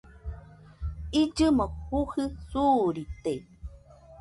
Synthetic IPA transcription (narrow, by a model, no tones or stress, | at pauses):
id͡ʒɨmohuhɨsuɾit̪e